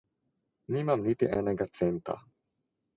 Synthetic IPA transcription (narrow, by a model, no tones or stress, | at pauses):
nimamnit̪iʔɛnɛɡat̪sɛnt̪a̰